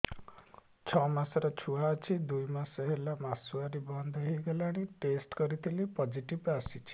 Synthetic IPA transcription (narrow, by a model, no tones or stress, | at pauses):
t͡ʃʰɔmasɔɾɔt͡ʃʰuaət͡ʃʰid̪ujmasɔɦelamasuaɾibɔnd̪ʱɔɦiɡelaɽ̃iʈesʈkɔɾit̪ʰilipɔd͡ʒiʈibasit͡ʃʰi̥